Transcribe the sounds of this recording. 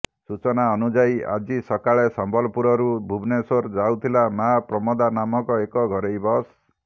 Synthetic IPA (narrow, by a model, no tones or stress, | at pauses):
sut͡ʃɔnaɔnud͡ʒaja̰d͡ʒisɔkaɭesɔmbʱɔlɔpuɾɔɾubʱubʱnesoɾd͡ʒaut̪ʰilamapɾɔmɔd̪anamɔkɔekɔɡʱɔɾejbɔs